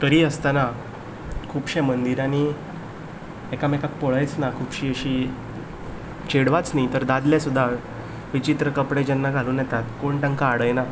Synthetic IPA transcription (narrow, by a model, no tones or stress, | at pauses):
t̪əɾiːəst̪ana | kʰuːpɕɛ̃mənd̪iɾani | ekamɛkak̚pɔɭəjt͡snakʰuːpɕiːəɕiː | t͡ɕeɽʋat͡snajit̪əɾd̪ad̪ljasud̪ʱːa | ʋit͡ɕit̪ɾəkəpɽed͡ʑɛnːaɡʱaluːnjɛt̪at̪koɳʈãŋkaːɽəjna